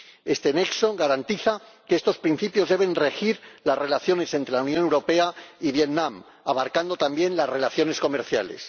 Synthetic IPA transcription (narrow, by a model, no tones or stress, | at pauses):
e̞st̪enekso̞ɣaɾant̪iθakeest̪o̞spɾin̟θipjo̞zðe̞β̞e̞nre̞xiɾlasre̞laθjo̞ne̞se̞nt̪ɾelaunjo̞newɾo̞pe̞aiβje̞ðnãm | aβaɾkand̪o̞t̪ambje̞nlazre̞laθjo̞ne̞sko̞me̞ɾθja̰le̞̰s